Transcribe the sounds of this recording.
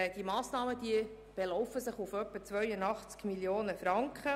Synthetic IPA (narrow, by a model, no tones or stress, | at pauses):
d̥imɑːsnɑːməd̥iə | b̥elɔʊfəsɪχufœpːət͡svœʏəndɑχt͡skmiljoːnəfɾɑŋkχə